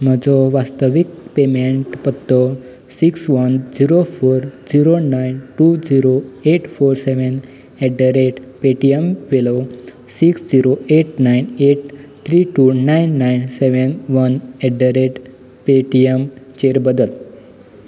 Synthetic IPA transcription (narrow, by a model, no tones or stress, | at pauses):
m̤əd͡zɔʋast̪əʋik̚pemeɳʈpət̪ːɔ | siksʋənd͡ziɾofoɾd͡ziɾonajnʈud͡ziɾoeʈfoɾseʋən | ɛɖəɾeʈpeʈijəmʋelo | siksd͡ziɾoeʈnajneʈ̚t̪ʰɾiʈunajnːajnseʋənʋənɛɖəɾeʈ | peʈijəmt͡ɕeɾbəd̪əl